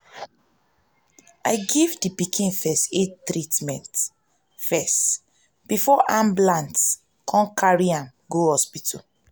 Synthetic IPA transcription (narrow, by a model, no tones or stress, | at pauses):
aɪɡivdipikʰĩnfɛstetɹitmɛ̃nt | fɛst | b̥ifɔʔãmblãnt | kʰɔ̃nkʰaɹiãn | ɡohɔspitʰɔ̰